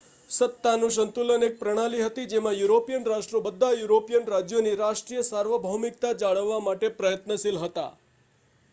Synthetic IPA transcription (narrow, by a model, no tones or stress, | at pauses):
sət̪ːanũʃ̬ənt̪ulənek̚pɾəɽ̃aliɦət̪id͡ʒemãjuɾopijənɾaʃʈɾobəd̪ʱːajuɾopijənɾad͡ʒjoniɾaʃʈɾijəsaɾʋəbʱəmik̚t̪ad͡ʒaɭəʋːamaʈepɾəjət̪nəsilɦət̪a̰